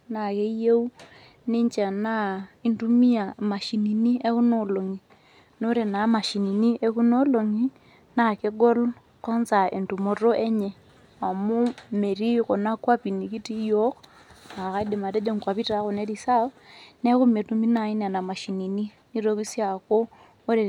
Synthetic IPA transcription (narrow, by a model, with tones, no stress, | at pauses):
na˨ke˦je˦u˦ | ne˦ɲt͡ʃa˨na˦i˦ntu˦mi˦a˨ma˨ʃi˨ni˨ni˦e˦ku˦no˨lo˨ŋi˨ | no˦ɾe˨na˨˦ma˨ʃi˨ni˨ni˦ʔe˦ku˦no˦lo˨ŋi˦ | na˨ke˦ɡo˦l | kɔ˦nsa˨ʔe˨ntu˨mo˨ɾo˦ʔe˦ɲe˨ | a˨mo˦me˨ɾi˦ko˨na˦kwa˦pi˨ni˨ki˦ti˦jo˦k | a˨ka˦i˦de˨ma˨te˦d͡ʒe˦ŋkwa˨pi˦ta˨˦ko˨ne˦ɾi˨sa˦nɛ˦ku˦me˨tu˦mi˦na˨i˦na˨na˨ma˨ʃi˨ni˨ni˦ | ni˦ɾo˦ki˦sja˨koː˦ | ɾe˨